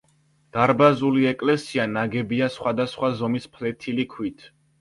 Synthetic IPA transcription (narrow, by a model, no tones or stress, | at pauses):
d̪̥aɾbazuliɛkʼlɛsianaɡɛbiasχwad̪asχwazɔmispʰlɛt̪ʰilikʰwit̪ʰ